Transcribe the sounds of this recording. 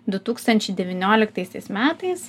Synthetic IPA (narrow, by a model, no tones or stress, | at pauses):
d̪ʊt̪uːkst̪ɐnʲt͡ʃʲɛɪd̪ʲɛʋʲɪnʲoːlʲɪkt̪ɐɪsʲɛɪsmʲæːt̪ɐɪs